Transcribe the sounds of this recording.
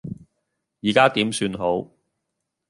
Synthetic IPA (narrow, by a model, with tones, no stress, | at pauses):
jiː˨kaː˥t̪iː˨˥msyː˧nɦo˨˥w